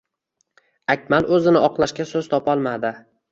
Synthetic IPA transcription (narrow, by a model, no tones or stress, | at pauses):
akʲmalʔɵzɪnɪɒqlˠaʃkʲasɵz̥t̪ʰɒpʰɒlˠmad̪ɪ